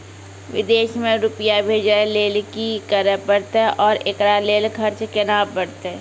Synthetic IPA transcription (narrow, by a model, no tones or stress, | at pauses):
ʋɪ̰d̪eːʃmẽɾʊpəjabʱeːd͡ʒaleːlkikəɾəpəɽt̪ɛʔɔːɾekɾaleːlkʰəɾt͡ʃkenaːbəɽt̪ɛ